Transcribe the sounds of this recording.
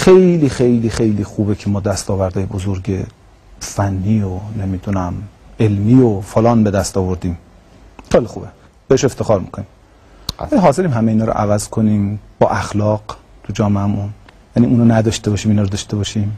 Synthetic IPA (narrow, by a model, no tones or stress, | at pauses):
xe̞jliːxe̞jliːxe̞jliːxuːbecʰemɒːd̪æst̪ɒːvæɾd̪ɒːjebozoɾɟe | fænːiːone̞mid̪unæmelmiːofolɒːnbe̞d̪æst̪ɒːvoɾd̪iːm | xejlixube | b̥eeʃe̞ft̪exɒːɾmḭkʰonim | æiɦɒːze̞ɾiːmɦæmeinɒːɾo̰ʔævæzkʰo̞niːmb̥ɒːʔæxlɒːɡ̥ | t̪ʰud͡ʒɒːmeæmun | jæniːunɒːnæd̪ɒʃt̪e̞bɒːʃiːminɒːɾod̪ɒʃt̪e̞bɒːʃim